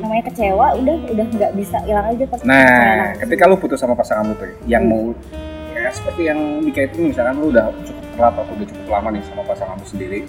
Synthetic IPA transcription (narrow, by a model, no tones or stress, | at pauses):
namaɲakət͡ʃewaudahudahŋɡaʔbisailaŋad͡ʒap̪anakət̪ikaloput̪ʊsamapasaŋamut̪ʊ | jaŋmo | kajasə̥pərt̪ijaŋbikait̪unimisalkanloudaht͡ʃukʊp̚kəlap̪at̪oudat͡ʃu̥kʊplamanjaŋsamapasaŋamusəndiɾi